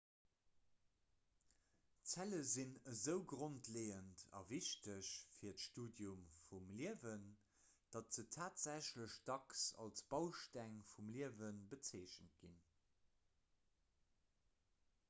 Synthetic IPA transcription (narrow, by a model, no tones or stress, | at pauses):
t͡sæləzinəzəʊɡʁontʰleːəntʰɑ̰viɕtəɕfiːɐtʃtuːdjumfumliəvən | d̥ɑtz̥ətʰaːtz̥æɕləɕdɑksɑ̰lsb̥ɑʊʃtæŋfumliəvənbət͡seːɕənt̚ɡ̥in